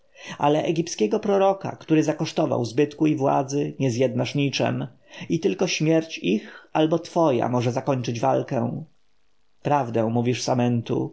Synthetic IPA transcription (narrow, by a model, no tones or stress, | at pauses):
ʔa̰lɛʔɛɡʲipskʲɛɡɔpɾɔɾɔka̰kt̪uɾɘzakɔʂt̪ɔva̰wzbɘt̪kuivwa̰d̪zɘɲɛzjɛd̪naʂɲit͡ʂɛ̰m | it̪ɘlkɔɕmʲjɛɾt͡ɕixalbɔt̪fɔja̰mɔʐɛzakɔɲʲt͡ʂɘd͡ʑvalkɛw̃ | pɾavd̪ɛ̃muvʲiʂsamɛnt̪ṵ